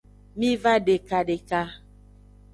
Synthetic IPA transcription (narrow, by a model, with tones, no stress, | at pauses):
mĩ˦va˦ɖe˨ka˨ɖe˨ka˦